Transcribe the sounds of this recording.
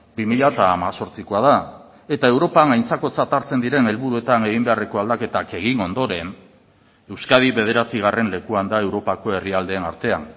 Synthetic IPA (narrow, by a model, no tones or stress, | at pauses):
bimiʎat̪aːmaso̞ɾt͡sikoað̞a | e̞t̪ae̞wɾo̞paŋajnt͡sako̞t͡sat̪aɾt͡se̞nd̪iɾe̞ne̞lβuɾue̞t̪ane̞ɣ̞imbe̞are̞ko̞ald̪ake̞t̪ake̞ɣ̞ino̞nd̪o̞ɾe̞n | e̞wskað̞iβe̞ð̞e̞ɾat͡siɣ̞are̞nle̞kuand̪ae̞wɾo̞pako̞e̞riald̪e̞ːnaɾt̪e̞a̰n